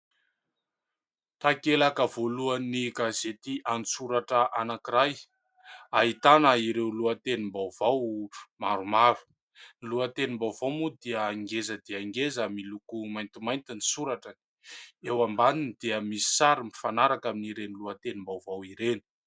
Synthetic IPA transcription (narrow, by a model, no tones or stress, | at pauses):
t̪akelakəvoluaniɡazet̪iʔanisuɾaʈ͡ʂəʔanakiɾaj | aɦit̪anəiɾewluət̪enimbawvawmaɾumavi̥ | niluət̪enimbawvawmud̪iəŋɡezəd̪iaŋɡezəmilukumajnt̪imajnt̪inisuɾaʈ͡ʂə | ewambaninid̪̥iəmisi̥saɾimifanaɾakaminiɾeniluət̪enimbawvawiɾeni̥